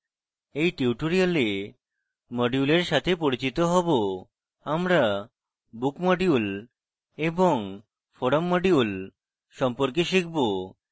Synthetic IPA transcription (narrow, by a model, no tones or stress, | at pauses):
ejʈiuʈoɾiale | mɔɖiuleɾʃat̪ʰepoɾit͡ɕit̪oɦɔbo | amɾa | bukmɔɖiul | eboŋ | foɽomːoɖiul | ʃɔmpoɾk̬eʃik̚ʰbo